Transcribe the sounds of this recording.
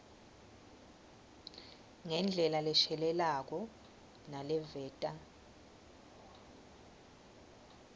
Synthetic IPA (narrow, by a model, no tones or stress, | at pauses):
ŋɛnd͡ɮʱɛlalɛʃɛlɛlak̬ɔ | nalɛvɛːtʼa